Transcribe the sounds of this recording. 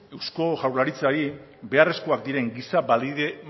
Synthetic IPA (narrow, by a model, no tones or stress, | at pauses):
e̞wsko̞ʝawɾlaɾit͡saɾi | be̞are̞skoak̚d̪iɾe̞ŋɡisabald̪iðe